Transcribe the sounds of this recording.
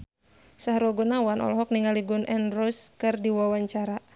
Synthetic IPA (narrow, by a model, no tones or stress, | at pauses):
saɦɾɔɡunawanɔ̰lɔɦɔk̚niŋaliɡunʔɛnrɔskɨrdiwawaɲt͡ʃaɾa